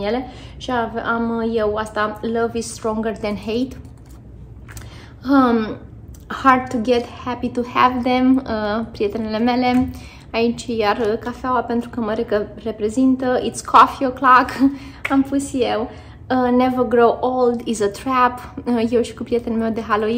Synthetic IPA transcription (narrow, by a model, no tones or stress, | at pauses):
jele̞ʃiavamje̞wast̪alʌvizst̪ɾɔ̃ŋɡəɾðɛ̃nhejt̪ | ə | haɹd̪̚t̪uɡet̪hæpit̪uhævðeməpɾije̞t̪e̞nile̞me̞le̞ | ait͡ʃjarkafeawape̞nt̪ɾukəməɾekəre̞pɾe̞zint̪əʔit̪skʰɔfioklak | amfusjew | ənevəɡɾowʔold̪izət̪ɾæpje̞wʃi̥kupɾiet̪e̞nme̞wd̪e̞ɦalo